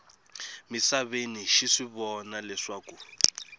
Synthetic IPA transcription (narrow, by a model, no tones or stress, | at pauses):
misaβeniʃiʂiβɔnalɛʂaːku